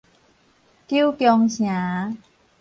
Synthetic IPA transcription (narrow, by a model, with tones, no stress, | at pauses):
ki˥˨kjɔ˧ŋɕʰj̃aː˨˦